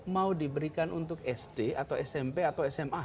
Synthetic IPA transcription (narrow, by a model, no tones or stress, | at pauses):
maudibəɾikanʔunt̪ʊkɛsd̥eʔat̪awɛsɛmpeat̪awɛsɛma